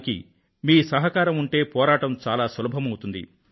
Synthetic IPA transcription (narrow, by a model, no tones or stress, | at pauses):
kḭ | miːsɐɦɐkaːɾɐmuɳʈe̞ːpɔːɾaːʈɐmt͡ʃaːlaːsɐlɐbʱɐmɐwut̪und̪ḭ